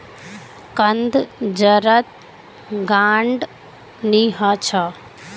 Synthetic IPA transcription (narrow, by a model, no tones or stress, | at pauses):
kɐnd̪d͡ʒəɾət̪̚ | ɡaːɳɖ | niːɦaːt͡ɕʰaː